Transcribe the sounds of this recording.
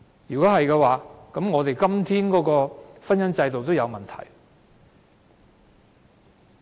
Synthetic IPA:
jyː˨˩kɔː˨˥hɐ˨jkɛ˧waː˨˧kɐ˨˥mŋɔː˨˧t̪e˨jkɐ˥mt̪ʰiː˥nkɔː˨˥kɔː˧fɐ˥njɐ˥nt͡sɐ˧jt̪o˨wt̪o˥wjɐ˨˧wmɐ˨nt̪ʰɐ̰˨˩j

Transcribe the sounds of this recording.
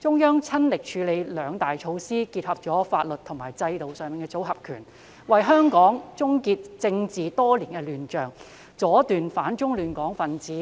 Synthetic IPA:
t͡ʃʊ˥ŋjœː˥ŋt͡sʰɐ˥nlɪ˨k̚t͡ʃʰyː˨˧le˨˧jlœː˨˧ŋt̪aː˨˩jt͡ʃʰo˧wsiː˥kiː˧t̚hɐ˨p̚t͡ʃɔː˨˥faː˧t̚lɵ˨t̚t̪ʰʊ˨˩ŋmaː˨˩jt͡sɐ˧jt̪o˨wsœː˨˧ŋmiː˨ŋkɛ˧t͡so˨˥wɦɐ˨p̚kʰy̰ː˨˩n | wɐ˨jɦœː˥ŋkɔː˨˥ŋt͡sʊ˥ŋkiː˧t̚t͡sɪ˧ŋt͡siː˨˩t̪ɔː˥liː˨˩nkɛ˧lyː˨˩nt͡ʃœː˨ŋ | t͡sɔː˨˥t̪yː˨nfaː˨˥nt͡ʃʊ˥ŋlyː˨nkɔː˨˥ŋfɐ˨nt͡siː˨˥

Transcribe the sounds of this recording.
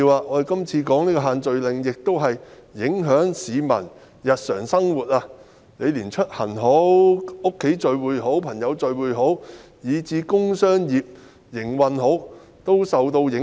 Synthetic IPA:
i˧waː˨ɔː˨˧de˨˩kɐ˥mt͡sʰiː˧kɔː˨˥ŋniː˥kɔː˧ɦaː˨nt͡sɵ˨ɥlɪ˨ŋjɪ˨k̚t̪o˥wɦɐ˨jːɪ˨˥ŋɦœː˨˥ŋsiː˨˧mɐ̰˨˩n | jɐ˨t̚sœ̰ː˨˩ŋsɐ˥ŋwuː˨˩t̚aː˧ | ne˨˧jliː˨˩nt͡ʃʰɵ˥t̚hɐ˨˩nɦo˨˥wʊ˥kʰːe˨˥jt͡ʃɵ˨˧ɥwuː˨˧jɦo˨˥wpʰɐ˨˩ŋjɐ˨˧wt͡ʃɵ˨ɥwuː˨˧jɦo˨˥w | jiː˨˧t͡siː˨˧kʊ˥ŋsœː˥ŋjiː˨p̚ | jɪ˨˩ŋwɐ˨nɦo˨˥w | t̪o˥wsɐ˨wt̪o˧wjɪ˨˥

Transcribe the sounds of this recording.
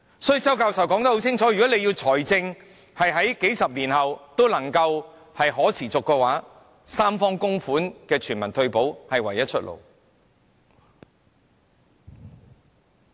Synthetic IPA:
sɔː˨˥jy˨˧t͡sɐ˥wkaː˧wsɐ˨wkɔː˨˥ŋt̪ɐ˥ho˨˥wt͡sʰɪ˥ŋt͡sʰɔː˨˥jy˨kɔː˨˥ne˨˧jiː˧wt͡sʰɔː˨˩jt͡sɪ˧ŋ | hɐ˨jɦɐ˨˥jke˨˥jsɐ˨p̚liː˨˩nhɐ˨wt̪o˥wlɐ˨˩ŋkɐ˧w | hɐ˨jɦɔː˨˥t͡sʰiː˨˩t͡sʊ˨kːɛː˧waː˨˥ | saː˥mfɔː˥ŋkʊ˥ŋfuː˨˥nkɛː˧t͡ʃʰyː˨˩nmɐ˨˩nt̪ʰɵ˧ɥpo˨˥whɐ˨jwɐ˨˩jɐ˥t̚t͡ʃʰɵ˥t̚lʔo̰˨˩w

